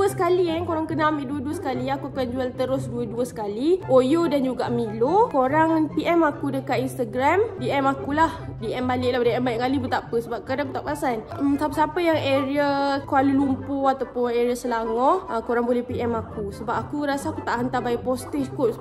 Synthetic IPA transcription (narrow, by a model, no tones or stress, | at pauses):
əsə̥kaliɛnkoɾaŋkənamiʔduəduəsə̥kaliakukand͡ʒuɛlt̪əɾʊsduəduəsə̥kaliʔojodand͡ʒuɡaʔmilokoɾaŋpiʔɛmakudəkat̪inst̪aɡɾamdiʔɛmakulah | diʔɛmbalɪʔlahdiɛmbalɪʔkalibət̪apəsəbap̚kadanbət̪apasan | əmsapəsapəjaŋeɾiakualulumpoat̪awpʊneɾiasəlaŋɔəkoɾaŋbolɛhpiʔɛmakusəbap̚akuɾasaːkut̪aʔɦənt̪abaiʔpɔst̪ɪfkʊ